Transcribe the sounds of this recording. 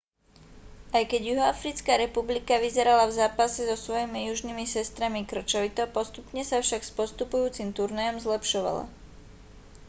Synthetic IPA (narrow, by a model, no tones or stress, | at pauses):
ajkɛɟjuɦɔafɾit͡skaːɾɛpublikaʋizɛɾalavzaːpasɛzɔsʋɔjimijuʒnimisɛst̪ɾamikr̩t͡ʃɔʋit̪ɔpɔst̪upɲɛsafʃakspɔst̪upujuːt͡simt̪uɾnajɔmzlɛpʃɔʋa̰la̰